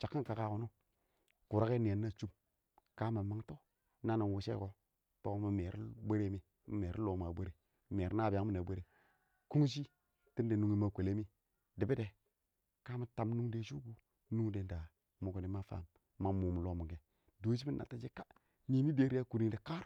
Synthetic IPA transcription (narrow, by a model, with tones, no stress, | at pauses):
t͡ʃa˨kːi˦n˨ka˨ka˨ku˨nu˦ | ku˨ɾa˦ke˦ni˨a˨nːa˦˨t͡ʃu˦m | ka˦ma˨ma˨˦ŋto˦ | na˦na˨wu˨ʃḛ˦ko˦ | to˦ko˦mi˨me˨ɾ̰be˦ɾe˦mi˦ | mi˦me˨ɾḭ˦lo˨ma˨be˦ɾe˦˨ | me˨ɾna˦˨ba˦ŋ˦mi˦na˨be˦ɾe˦ | ku˦ŋ˦ʃ̬i˦ | ti˦nde˨nu˨ŋi˦ma˦kʷe˨le˦mi˦ | di˨bi˦de˨ | ka˦ma˨ta˨m˦nu˦ŋde˨ʃu˦ɡu˦ | nu˦ŋde˨nda˨ | mu˨ko˨ni˨˦ma˦fa̰˦˨mː | a˨mu˨mu˨lo˦mu˨ɡe˨ | do˦ʃ̬i˦mi˦nʔa̰˨ta˦d͡ʒe˦ka˦ | ni˨mi˦be˦ɾi˦ja˦ku˨ɾi˦de˨ka˦ɾ